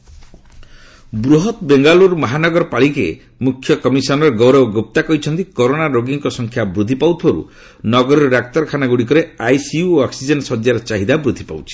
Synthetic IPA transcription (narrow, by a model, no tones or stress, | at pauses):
bɾuɦɔt̪beŋɡaluɾmɔɦanɔɡɔɾɔpaɭikḛ | mukʰːjɔkɔmisɔnɔɾɡɔwɾɔbɡop̚t̪akɔit͡ʃʰɔnt̪ikoɾonaɾoɡiŋkɔsɔŋkʰjabɾud̪ʱipawt̪ʰɔɾṵ | nɔɡɔɾɔɾɔɾak̚t̪ɔɾkʰanaɡuɽik̬ɔɾeajsiuoɔksid͡ʒɔnsɔd͡ʒ̪jaɾɔt͡ʃaɦid̪abɾud̪ʱipa̰wt͡ʃʰi̥